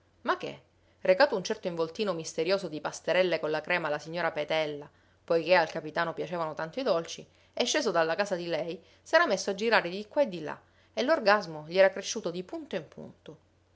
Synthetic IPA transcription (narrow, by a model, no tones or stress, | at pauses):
mak̟ːḛ | rekaːt̪ount͡ʃɛrt̪oiɱvolt̪iːnomist̪eɾjoːsod̪ipast̪eɾɛlːekonlakɾɛːmalasiɲːoːɾapet̪ɛlːa | pojkealkapit̪aːnopjat͡ʃeːvanot̪ant̪oid̪olt͡ʃi | eʃːeːsod̪alːakaːsad̪ilɛj | sɛːɾamesːoad͡ʒːiɾaːɾed̪ikwaed̪ːila̰ | elːorɡazmoʎiɛːɾakɾeʃːuːt̪od̪ipunt̪oimpʰṵnt̪o